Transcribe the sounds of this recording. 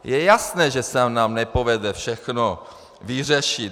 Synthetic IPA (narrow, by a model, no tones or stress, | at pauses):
jɛjasnɛːʒɛsanaːmnɛpo̞vɛdɛfʃɛxno | vir̝ɛʃit